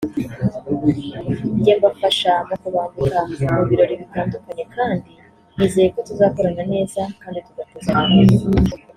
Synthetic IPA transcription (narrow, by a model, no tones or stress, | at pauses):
iɟeːmbafaʃamokuβaɡukamuβiɾo̞ɾiβitaːndukaɲe̞kaːndi | niːzejeko̞tuzaːko̞ɾanane̞ːzakaːndituɡakuza